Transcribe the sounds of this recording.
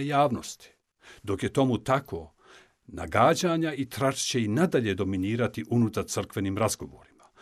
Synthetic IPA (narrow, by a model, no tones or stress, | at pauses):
jaːʋno̞st̪i̥ | d̪o̞kje̞t̪o̞mut̪akʰoː | na̰ɡaːd͡ʑaɲait̪ɾaʃt͡ɕe̞inad̪aʎe̞d̪o̞miniːɾat̪iʔunut̪aɾt̪sr̩kʋe̞niːmɾazɡo̞ʋo̰ːɾima